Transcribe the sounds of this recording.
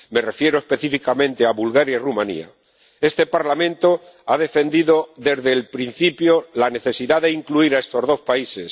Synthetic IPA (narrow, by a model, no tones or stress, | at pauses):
me̞re̞fje̞ɾoe̞spe̞θifikamẽ̞nt̪eaβulɣaɾjairumãnḭa̰ | e̞st̪e̞paɾlamẽnt̪o̞aðe̞fe̞nd̪iðo̞ðe̞zðelpɾin̟θipjolane̞θe̞siðaðe̞iŋkluiɾae̞st̪o̞zðo̞spaises